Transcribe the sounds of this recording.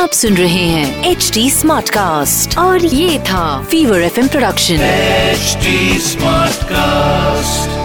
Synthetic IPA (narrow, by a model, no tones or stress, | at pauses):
aːpsʊnɾɐɦeɦɛ̃ːeːt͡ʃʈiːsmaːɾʈkaːsʈɔːɾjeːt̪ʰafiːʋəɾɛfɛ̃mpɾoɖɐkʃə̃nt͡ʃʈismaːʈkasʈʈ